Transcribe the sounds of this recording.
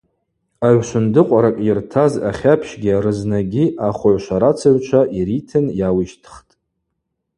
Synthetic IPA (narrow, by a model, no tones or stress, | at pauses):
aʕʷʃʷʊndɨqʷʼaɾakʼirtʰaza̰χʲapʰʃɡʲiaɾɨznaɡʲiʔaχʷʊʕʷʃʷaɾat͡sʰaɥt͡ʃʷʰaʔiɾitʰɨnjawiʃtʰχtʼ